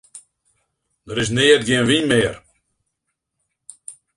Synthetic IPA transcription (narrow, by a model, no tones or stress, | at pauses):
dəɾɪs̬neːətɡiənvinmeːər